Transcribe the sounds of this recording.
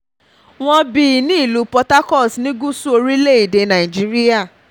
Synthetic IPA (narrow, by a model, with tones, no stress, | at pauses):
w̃ɔ̃˧bi˧˦˨nĩ˦i˦˨lu˨˦pɔ˧ta˦kɔ˦˨snĩ˦ɡu˦su˦o˧ɾi˦le˦˨i˨de˧nã˨i˨d͡ʒi˨˦ɾi˦a˦˨